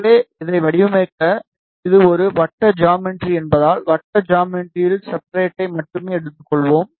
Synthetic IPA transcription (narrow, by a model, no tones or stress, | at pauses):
leːɪðɐɪʋɐɽɪjɯmɪɾkːɐ | ɪðɯɔɾɯʋɐʈːɐd͡ʒaːmɪʈɾiɛnbɐðaːlʋɐʈːɐd͡ʒaːmɪʈɾijɪlsɐp̚ːɾeːʈːɐɪmɐʈːɯmeːɛɽɯt̪ːɯkːɔɭʋoːm